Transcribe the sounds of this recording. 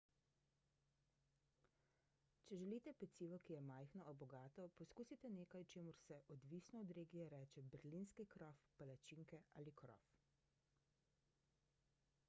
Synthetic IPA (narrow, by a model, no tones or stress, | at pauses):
t͡ʃɛʒɛliːt̪ɛpɛt̪siːʋɔkijɛmajxnɔɔbɔɡaːt̪ɔpɔskuːsit̪ɛneːkajt͡ʃeːmuɾsɛʔɔd̪ʋiːsnɔːd̪ɾeːɡijɛɾɛːt͡ʃɛbɛɾliːnskikɾɔːfpalat͡ʃiŋkɛa̰ːlikɾɔ̰f